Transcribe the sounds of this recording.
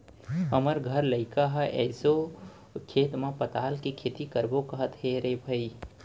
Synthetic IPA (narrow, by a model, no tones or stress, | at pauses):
ɦəməɾɡʱəɾləɪkaɦəʔɛ̰ːso | kʰeːt̪mãpət̪aːlkikʰeːt̪ikəɾbokəɦət̪ɦeɾebʱəi